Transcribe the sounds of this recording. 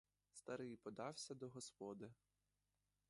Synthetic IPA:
st̪ɐɾɪjpɔd̪ɑwsʲɐd̪ɔɦɔspɔd̪ɪ

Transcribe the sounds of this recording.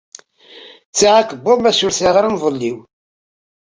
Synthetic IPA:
t͡sːiʁakəbʊmæsʊɾθiʁɾəmvˤəlːiw

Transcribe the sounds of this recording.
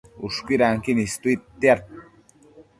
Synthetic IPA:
uʃkiɾaŋkinist̪uit̪ːiaɾ̚

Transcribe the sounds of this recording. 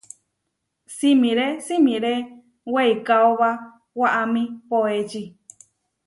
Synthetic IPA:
simĩɾesimĩɾe | weikaoβa | waʔamĩpoet͡ʃi

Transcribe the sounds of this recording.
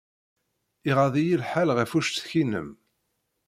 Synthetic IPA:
iʁaðˤijilħalʁæfuʃt̪θçinə̰m

